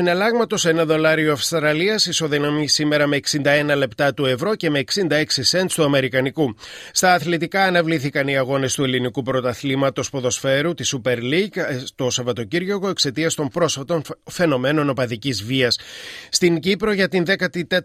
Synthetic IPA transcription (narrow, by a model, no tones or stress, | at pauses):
inelɐɣmɐt̪o̞se̞nɐðo̞lɐɾioɐfst̪ɾɐliɐsiso̞ðinɐmisime̞ɾɐme̞ːksind̪ɐe̞nɐle̞pt̪ɐt̪ue̞vɾo̞ce̞me̞ːksind̪ɐe̞ksise̞nst̪uɐme̞ɾikɐnikust̪ɐːθlet̪ikɐːnɐvliθikɐniɐɣo̞ne̞st̪ue̞linikupɾo̞t̪ɐθlimɐt̪o̞spo̞ðo̞sfe̞ɾut̪isupe̞ɾliɡt̪o̞sɐvɐt̪o̞ciɾʝo̞ɣo̞e̞kse̞t̪iɐst̪o̞mpɾo̞sfɐt̪o̞nfe̞no̞me̞no̞no̞pɐðicizviɐsːt̪iŋɟipɾo̞ʝɐt̪inðe̞kɐt̪it̪e